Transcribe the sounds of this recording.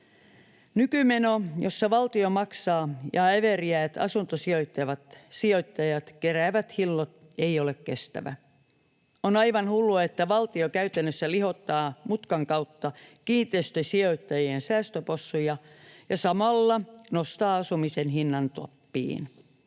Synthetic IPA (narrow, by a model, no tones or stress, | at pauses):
nykymenojosːɑʋɑlt̪iomɑksɑːjɑæʋeriæːt̪ɑ̰sunt̪osio̞jt̪ːɑʋɑt̪sio̞jt̪ːɑjɑt̪keræːʋæt̪hilːot̪ | e̞iolekkest̪æ̰ʋæ̰ | onɑjʋɑnhulːuet̪ːæʋɑlt̪iokæyt̪ænːøsːæliɦo̞t̪ːɑːmut̪kɑŋkɑwt̪ːɑkiːt̪ːˑeːst̪øsio̞jt̪ːɑjiensæːst̪øposːujɑjɑsɑmɑlːɑnost̪ɑːɑsumisenɦinːɑnt̪o̰pːḭːn